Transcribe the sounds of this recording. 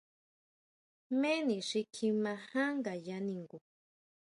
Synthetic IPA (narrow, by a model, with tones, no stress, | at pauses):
mẽ˦nĩ˨ʂi˧kʰi˧mã˧hã˦ŋɡa˨ja˧nĩ˧ŋɡu˨